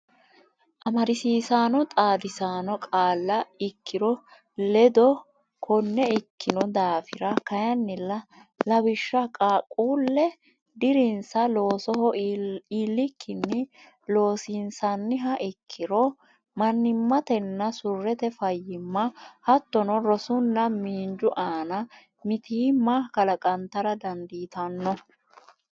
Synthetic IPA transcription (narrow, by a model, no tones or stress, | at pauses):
ʔɐmɐɾɪsiːsaːnɔt̪ʼaːd̪ɪsaːnɔkʼaːlːɐɪkʰːɪɾɔ | lɛd̪ɔ | kʰɔnːɛɪkːɪnɔd̪aːfɪɾɐkɐjɐnːɪlɐ | lɐbɪʃːɐkʼaːkʼuːlːɛ | d̪ɪɾɪnsɐlo̞ːsɔhɔiːlːɪkʰːɪnːɛ | lo̞ːsinsɐnːɪɦɐʔɪkʰːɪɾɔ | mɐnːɪmːɐt̪ɛnːɐsʊrːɛt̪ɛfɐjːɪmːɐhɐt̪ːɔnɔɾɔsʊnːɐmiːnd͡ʒʊʔaːnɐ | mɪt̪ɪmaːhkɐlɐkʼɐnt̪ːɐɾɐd̪ɐnd̪iːt̪ɐnːɔ